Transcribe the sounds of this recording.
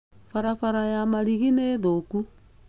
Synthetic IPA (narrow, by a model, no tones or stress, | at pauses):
faɾafaɾajamaɾiɣineðoku